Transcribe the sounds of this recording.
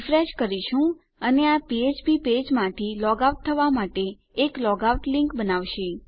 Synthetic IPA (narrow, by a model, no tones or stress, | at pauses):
fɾeʃkəɾiʃũ | əneapied͡ʒbiped͡ʒmãt̪ʰilɔɡauʈ̚t̪ʰəʋamaʈeː | klɔɡauʈlĩŋkbənaʋʃe